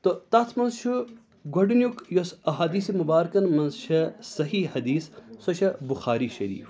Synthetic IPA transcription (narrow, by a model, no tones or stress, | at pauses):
t̪ot̪ɐt̪ʰmɐnzt͡ʃʰu | ɡoɖinjukjosɐɦaːd̪iːsemubaːɾkɐnmɐnzʃɐsɐɦihɐd̪iːssɐʃɐbuxaːɾiʃɐɾḭːf